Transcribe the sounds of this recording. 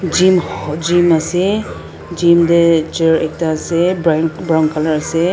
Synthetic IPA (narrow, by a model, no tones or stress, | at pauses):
d͡ʒimd͡ʒimasɛ | d͡ʒimdɛt͡ʃɛɹɛk̚taːsɛbbɹɔŋkʰalaɹasɛ